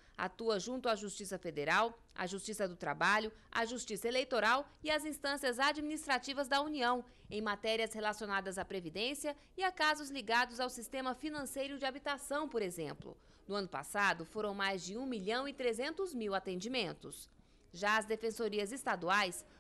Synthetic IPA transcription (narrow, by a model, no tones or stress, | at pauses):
a̰t̪uɐʒũnt̪ʊaʒust͡ʃisɐfed̪eɾaw | ɐ̰ʒust͡ʃisɐd̪ʊt̪ɾa̰baʎʊa̰ʒust͡ʃisɐelejt̪oɾawɪɐzĩst̪ɐ̃siɐzad͡ʒminist̪ɾat͡ʃivɐzd̪ɐuniɐ̃w̃ | ẽj̃mat̪ɛɾiɐshelasionad̪ɐzapɾevid̪ẽsiɐ | ɪakazʊzliɡad̪ʊzawsist̪ẽmɐfinɐ̃sejɾʊd͡ʒɪabit̪asɐ̃w̃poɾezẽmplʊ̰ | nʊɐ̃nʊpa̰sad̪ʊfoɾɐ̃w̃majzd͡ʒɪũmiʎɐ̃w̃ɪt̪ɾezẽnt̪ʊzmiwat̪ẽnd͡ʒimẽnt̪ʊs | ʒaɐzd̪efẽsoɾiɐzest̪ad̪uajs